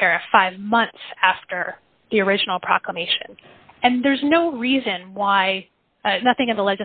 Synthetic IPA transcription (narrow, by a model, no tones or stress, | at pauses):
ɛɹɨfaɪvmʌ̃nθsæftə˞ | ðiə˞ɪd͡ʒn̩l̩ˠpʰɹ̥ɑ̰kləmeɪʃɨ̰̃n | ɨ̃nðə˞znoʊɹizɨ̃nwaɪ | nʌθɪ̃ŋɨ̃nðəlɛd͡ʒɨ